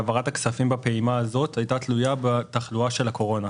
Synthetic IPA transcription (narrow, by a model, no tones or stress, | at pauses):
avaʁataksafimbapeimaːzo̞t̪ʰajtat̪lujabetaχluaʃe̞lakʰo̞ʁo̞na